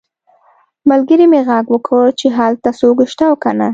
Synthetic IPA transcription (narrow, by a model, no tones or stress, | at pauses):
malɡəɾimeɣaɡwəkʰət͡ʃeɦalt̪asoɡʃt̪awkana